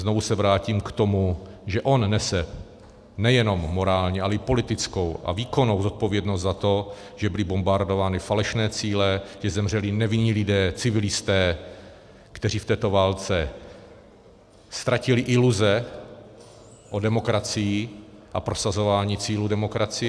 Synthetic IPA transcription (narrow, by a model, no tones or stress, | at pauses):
znovusɛvɾaːciːmkt̪o̞muʒɛʔo̞nnɛsɛ | nɛjɛno̞mːo̞ɾaːlɲɛalɛɪpo̞lɪt̪ɪt͡sko̞wʔa̰viːko̞no̞wzot̪̚po̞vjɛdnost̪zat̪o̞ | ʒɛbɪlɪbombaɾdovaːnɪfalɛʃnɛːt͡siːlɛʒɛzɛmr̝ɛlɪnɛvɪnɲiːlɪdɛːt͡sɪvɪlɪst̪ɛː | kt̪ɛriːft̪ɛːt̪o̞vaːlt͡sɛ | st̪ɾacɪlɪʔɪluzɛ | ʔo̞dɛmo̞kɾat͡sɪjɪ | ʔapɾo̞sazo̞vaːɲiːt͡siːludɛmo̞kɾat͡sɪɛ